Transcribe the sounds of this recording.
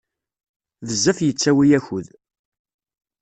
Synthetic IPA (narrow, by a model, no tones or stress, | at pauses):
ðəzːæfjət͡sːæwijæçʊð